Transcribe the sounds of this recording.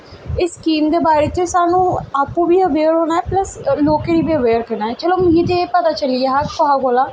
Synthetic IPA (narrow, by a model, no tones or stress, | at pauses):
ɪsːkiːmd̪eːbaːɾeːt̪eːsaːnũːaːpːũːbiːəʋeːɾɦoːnaːɛːpləsloːkeːɽiːbiːəʋeːɾkəɾnaːɛːt͡ʃəloːmĩːt̪epət̪aːt͡ʃəlijaːɦakkoɦaːɡoːlaː